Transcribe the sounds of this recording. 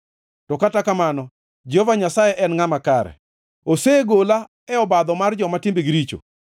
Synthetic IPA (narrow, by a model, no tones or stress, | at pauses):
tɔkatakamanɔ | d͡ʒovaɲasajɛʔɛnŋamakaɾɛ̰ | oseɡola | ɛɔbad̪ɔmard͡ʒɔmatimbiɡɾit͡ʃo̰